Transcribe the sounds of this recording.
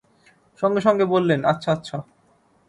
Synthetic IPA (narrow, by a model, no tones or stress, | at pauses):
ʃɔŋɡeʃɔŋɡebolːenatːɕʰaatːɕʰa